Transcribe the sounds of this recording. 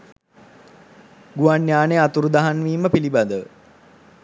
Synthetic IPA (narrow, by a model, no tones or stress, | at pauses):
ɡuanːjaːneat̪uɾud̪aɦanʋiːməpilibad̪ə